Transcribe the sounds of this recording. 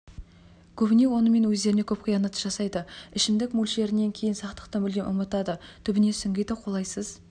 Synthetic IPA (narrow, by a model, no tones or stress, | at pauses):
kʲʰɵbɪne̞wo̞nəme̞nwɵzd̪e̞ɾɪne̞kʲʰɵpqʰijɑnɑt̪ə̥ʒ̥ɑsɑjd̪əɪʃɪmd̪ɪkmulʲʃe̞ɾɪne̞ŋkʲʰejɪnsɑqt̪ə̥qt̪ɑnbɪlɡʲenʔʊmət̪ɑd̪ət̪ʰʏbɪne̞sɪŋɡʲejd̪ɪqʰo̞lˠɑjsəz̥